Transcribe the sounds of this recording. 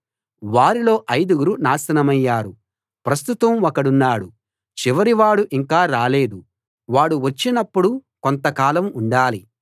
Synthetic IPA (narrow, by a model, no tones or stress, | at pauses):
ʋaːɾilo̞ːʔɐjd̪uɡuɾunaːsɐnɐmɐjːaːɾu | pɾɐst̪ut̪ɐmokɐɽunːaːɽu | t͡ʃiʋɐɾiʋaːɽuʔiŋkaːɾaːle̞ːd̪u | ʋaːɽuʋɐt͡ʃːinɐpːuɽukont̪ɐkaːlɐmuɳɖaːli